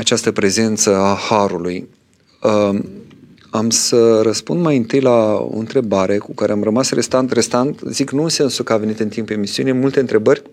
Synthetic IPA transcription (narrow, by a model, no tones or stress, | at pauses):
at͡ʃast̪əpɾe̞ze̞nt̪səahaɾuluj | ə | amsəɾəspund̪majɨnt̪ɨjlao̰ɨ̰nt̪ɾe̞baɾe̞kukaɾeamrəmasre̞st̪ant̪re̞st̪ant̪ziknusensukəave̞nit̪ɨnt̪impemisiunemult̪eɨnt̪ɾe̞bərʲ